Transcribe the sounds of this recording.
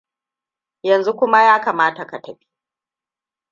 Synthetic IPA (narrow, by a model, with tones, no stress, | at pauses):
jɐ˨nzu˦kʷʊ˦ma˦jaː˦kaː˨maː˦ta˨ka˨tɐ˨ɸi̥˦